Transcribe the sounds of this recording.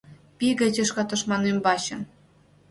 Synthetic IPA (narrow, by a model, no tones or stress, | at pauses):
pʲiɡɘ̆t͡ɕĕʃkɑt̪ɤ̆ʃmɑnembɑɕɤ̆n